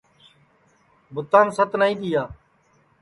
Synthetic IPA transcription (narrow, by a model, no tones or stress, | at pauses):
bʊt̪aːnsət̪naːĩːd̪ɪjaː